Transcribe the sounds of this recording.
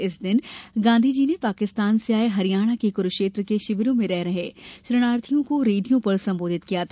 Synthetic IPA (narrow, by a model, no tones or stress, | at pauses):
ɪsd̪ɪnɡãːnd̪ʱid͡ʒiːnepaːkɪst̪aːnseaːeɦɐɾijaːɽ̃akekʊɾʃeːt̪ɾəkeʃɪʋɾõmẽɾɛɦɾɐɦeːʃɾɐɽ̃aːɾt̪ʰijõkoɾeːɖijõpɐɾsɐ̃mboːd̪ʱɪt̪kijat̪ʰː